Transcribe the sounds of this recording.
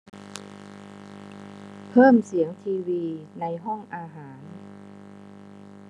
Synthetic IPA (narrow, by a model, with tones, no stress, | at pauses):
pʰɤː˥˩msi˩˦əŋt̪ʰiː˧wiː˧na˧jɦɔ˥˩ŋʔaː˧ɦaː˩˦n